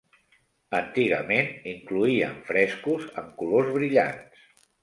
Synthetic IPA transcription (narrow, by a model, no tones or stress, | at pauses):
ənt̪iɣə̰meniŋkluiə̰ɱfɾɛskuzə̰mkulozβɾiʎa̰ns